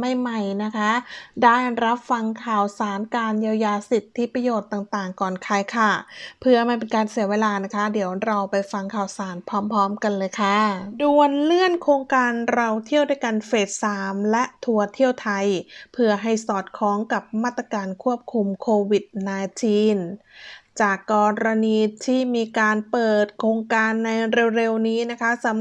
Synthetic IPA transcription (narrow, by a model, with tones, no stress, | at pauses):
ma˥˩jma˥˩jna˦˥kʰa˦˥daː˥˩jɾa˦˥p̚fa˧ŋkʰaː˨˩wsaː˩˦nkaː˧njaː˧wjaː˧si˨˩t̪ʰːi˦˥pɾa˧joː˨˩t̪ːaː˨˩ŋt̪aː˨˩ŋkɔː˨˩nkʰaː˨˥jkʰa˥˩pʰɯ˥˧˩ɐmaː˧˩np̬e˧nkaː˧nsi˨˦ɐweː˧laː˧na˦˥kʰa˦˥di˨˦əwɾa˧wpa˧jfa˧ŋkʰaː˨˩wsaː˩˦npʰɔː˦˥mpʰɔː˦˥mka˧nlɤː˧jkʰa˥˩du˧ənlɯ˥˩ənkʰɾoː˧ŋkaː˧nɾa˧wt̪ʰi˥˩əwduː˥˩jka˧nfeː˨˩t̪̚saː˩˦mlɛ˦˥ʔt̪ʰu˧ɐt̪ʰi˥˩əwt̪ʰa˧jpʰɯ˥˩ɐɦa˥˩jsɔː˨˩t̪̚kʰɔː˦˥ŋka˨˩p̚maː˥˩t̪ːɾa˧kaː˧nkʰu˥˩əp̚kʰu˧mkʰoː˧wi˨˩t̪̚naː˧t͡ɕiː˧n | t͡ɕaː˨˩kːɔː˧ɾa˧niː˧t̪ʰiː˥˩miː˧kaː˧npɤː˨˩t̪̚kʰɾoː˧ŋkaː˧nːa˧jɾe˧wɾe˧wniː˦˥na˦˥kʰa˦˥sa˨˦